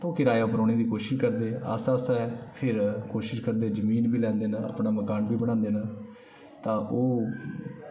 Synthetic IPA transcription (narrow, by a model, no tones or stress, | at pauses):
t̪õːkɪɾaːjaːʊpɾoːneːd̪iːkoːʃɪʃkəɾd̪eːə̰saːsɛɛpʰɪɾkoːʃɪʃkəɾd̪eːzəmiːnbiːlɛ̃ːnd̪eːnãːə̰pɳaːməkaːnbiːbəɽ̃ãːnd̪eːnaː | t̪ãːʔoː